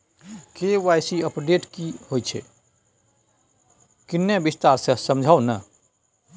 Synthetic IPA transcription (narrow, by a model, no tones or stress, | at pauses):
kewajsiəpɖeʈkihojt͡ʃʰḛ | kinːebist̪aɾsə̃səmd͡ʒʱawnə